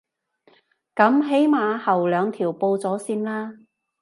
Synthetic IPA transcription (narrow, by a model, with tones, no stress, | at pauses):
kɐ˨˥mɦe˨˥jmaː˨˧hɐ˨˩wlœː˨˧ŋt̪ʰiː˨˩wpo˧wt͡sɔː˨˥siː˧nlaː˥